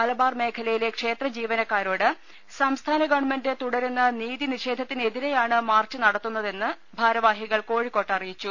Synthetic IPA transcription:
ɐlɐbaːrme̞ːkʰɐlɐjile̞kʂe̞ːt̪rɐd͡ʑiːʋɐnɐkːaːɾoːɽɨ | sɐmst̪ʰaːnɐɡɐʋɳmenddet̪uɽɐɾunːɐniːðiniʂe̞ːd̪ʱɐt̪ːine̞ðiɾe̞jaːɳɨmaːrt͡ɕːɨnɐɽɐt̪ːunːɐðe̞nːɨ | bʱaːɾɐʋaːɦiɣɐɭko̞ːɻikːo̞ːʈːɐrijit͡ɕːu

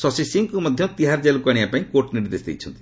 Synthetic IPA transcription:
sɔsisiŋkumɔd̪ʱjɔt̪iɦaɾd͡ʒelkaɽiapaĩkoʈniɾd̪esd̪ḛjt͡ʃʰɔnt̪i̥

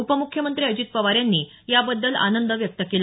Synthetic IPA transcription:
upəmukʰjəmənt̪ɾiːəd͡ʑiːt̪̚pəʋaɾjanːiː | jabəd̪ːəla̰nənd̪əʋjək̚t̪əkela

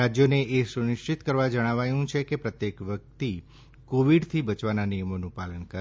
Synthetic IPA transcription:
ad͡ʒjoneʔesunɪʃt͡ʃit̪kəɾʋad͡ʒəɽ̃aʋajũt͡ʃʰekepɾət̪jekʋjək̚t̪i | koʋiɖt̪ʰibət͡ʃʋananijəmonũpalənkəɾ

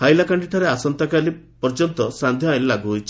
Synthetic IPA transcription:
hajlakaɳɖiʈaɾeasɔnt̪akalipɔɾd͡ʒɔnt̪ɔsand̪ʱjɔellaɡuɦojt͡ʃʰi

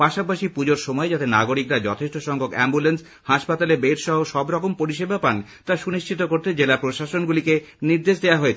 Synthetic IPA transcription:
paʃapaʃipud͡ʑoɾʃɔmɔed͡ʑat̪enaɡoɾikɾad͡ʑɔt̪ʰeʃʈoʃɔŋkokɛ̰mbulens | haʃpat̪alebeɾʃɔɦoʃɔbɾɔkompoɾiʃ̬ebʱapant̪aʃuniʃʰit̪okoɾt̪ed͡ʑelapɾoʃaʃonɡulike | niɾd̪eʃd̪eaɦoet͡ɕʰ

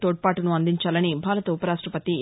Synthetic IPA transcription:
t̪oːʈ̚paːʈunuɐnd̪iɲt͡ʃaːlɐnibʱaːlɐt̪ɐupɐɾaːʂʈɾɐpɐt̪i

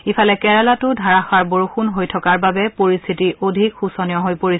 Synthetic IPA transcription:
ipʰalɛkɛɹalatʊdʱaɹaxaɹboɹuxunɦojtʰɔkaɹbabɛpoɹist̪ʰitiʔodʱikxusɔnijɔɦojpoɹi

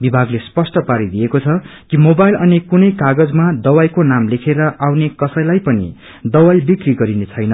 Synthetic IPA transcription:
bibʱaɡlespʌsʈʌpaɾid̪ijekot͡sʰʌkimobajlʌnikunʌjkaɡʌd͡zmad̪ʌwajkonamlekʰeɾʌʔawnekʌsʌjlajpʌnḭ | d̪ʌwajlbikriɡʌɾinet͡sʰʌjnʌ

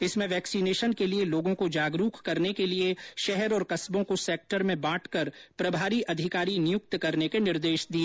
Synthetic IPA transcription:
ɪsmẽʋɛːksineːʃənkelieloːɡõkod͡ʒaːɡɾuːkkɐɾnekelieʃɛɦɛɾɔːɾkɐsbõkosɛːk̚ʈəɾmẽbãːʈʰkɐɾpɾɐbʱaːɾiʔɐd̪ʱɪkaːɾinɪjʊk̚t̪kɐɾnekenɪɾd̪eːʃd̪ieː

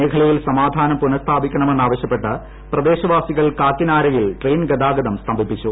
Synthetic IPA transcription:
eːkʰɐɭɐjilsɐmaːd̪ʱaːnɐmpunɐst̪ʰaːbikʲːɐɳɐmenːaːʋɐɕjɐpːe̞ʈːɨ | prɐd̪e̞ːɕɐʋaːsiɣɐɭkaːkːinaːɾɐjilʈreːjnɡɐd̪aːɡɐd̪ɐmst̪ʰɐmbʱipːit͡ɕːu

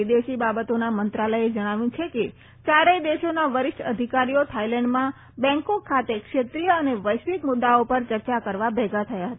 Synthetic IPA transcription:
id̪eʃibabət̪onamənt̪ɾaləed͡ʒəɽ̃aʋjũt͡ʃʰeke | t͡ʃaɾeid̪eʃonaʋəɾɪʃʈəd̪ʱikaɾijot̪ʰailɛ̃ɳɖmã | bɛ̃ŋkokʰːat̪ekʃet̪ɾijəəneʋəjʃʋikmʊd̪ːaopəɾt͡ʃəɾt͡ʃakəɾʋabʱɛɡʱat̪ʰəjaɦət̪a

